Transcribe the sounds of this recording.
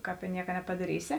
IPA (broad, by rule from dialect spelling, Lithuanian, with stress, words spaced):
ˈkɑːp ɪ ˈnʲiɛkɐ nʲɛpɐdɐˈrʲiːsʲɪ